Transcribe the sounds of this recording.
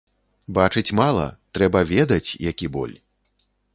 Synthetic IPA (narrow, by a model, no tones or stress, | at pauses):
bat͡ʂɨt͡sʲmalˠɐ̰t̪ɾɛbɐvʲɛd̪ɐt͡sʲjakʲibɔ̰lʲ